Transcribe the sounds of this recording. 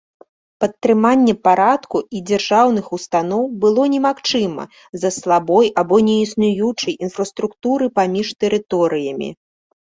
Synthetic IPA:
pɐt̪ːɾɨmanʲːɛpaɾat̪kuid͡zʲɛrʐawnɨxust̪anɔwbɨlˠɔnʲɛmaxt͡ʂɨmɐ̰ | zɐslˠabɔjabɔnʲɛisnujut͡ʂɐjinfɾɐst̪ɾukt̪uɾɨpamʲiʂt̪ɛɾɨt̪ɔɾɨjɐmʲḭ

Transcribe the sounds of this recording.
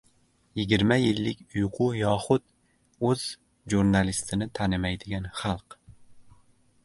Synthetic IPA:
jiɡʲiɾmɛjɪlːɪkʲujqʰʊjɑːχʊt̪ | øz̥ | ʒuɾnɑlˠist̪ʰɪnɪt̪ʰɑnɪmɛjd̪ɪɡʲɛnχɑlˠq

